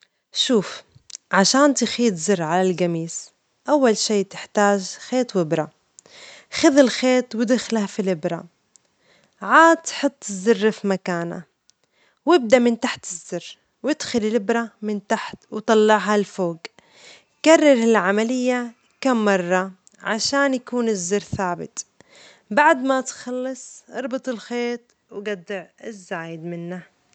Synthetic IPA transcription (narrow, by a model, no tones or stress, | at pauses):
ʃuːf | ʕaʃaːnt̪ɪxiːt̪zɪrˤːʕalalɡamiːs | ʔawːalʃiːt̪ɪ̥ħt̪aːʒxeːt̪wɪbɾa | xaðɪlxeːt̪wɪd̪ɪxlhafilɪbɾˤɑ | ʕaːd̪ħɨt̪ˤːɪzːɪrːfimakaːna̰ | wɪb̚d̪aʔmɪnt̪aħt̪ɪzːɪrː | wɪd̪xʊlɪlɪbɾˤamɪnt̪aħt̪wt̪ˤɑlːɑʕɦalfoːɡ | karˤːɑɾˤhɪlʕamalɪjːa | kamːɑrˤːɑ | ʕaʃaːnjakuːnɪzːɪɾθaːbɪ̰t̪ | baʕd̪mat̪xɑlːɑsˤʔɑɾˤbɨt̪ˤɪlxeːt̪ | wɡad̪ːɪʕɪzːaːjɪd̪mɪnːa